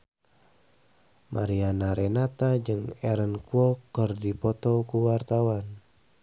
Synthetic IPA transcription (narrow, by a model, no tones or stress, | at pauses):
mʔaɾianaɾɛnat̪ad͡ʒəŋɛɾənkuɔkərdipɔt̪ɔkuwart̪awan